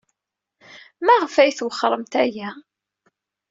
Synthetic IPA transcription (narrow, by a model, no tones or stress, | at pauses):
mæʁfæjθwəχːəɾˤəmt̪æjæ